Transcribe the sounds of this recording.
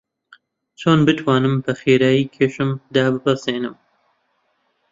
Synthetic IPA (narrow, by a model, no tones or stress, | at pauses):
t͡ʃʰoːnbɨt̪ʰwaːnɨmpɐxeːɾaːjiːkʰeːʃɨmd̪aːbɨpɐseːnɨm